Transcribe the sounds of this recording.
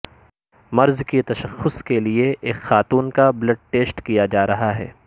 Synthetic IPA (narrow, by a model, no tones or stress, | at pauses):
mɐɾzkit̪ɐʃɐxːʊskelieʔeːkxaːt̪uːnkablɐɖ̚ʈeːsʈkijad͡ʒaːɾɐɦaɦɛ̰ː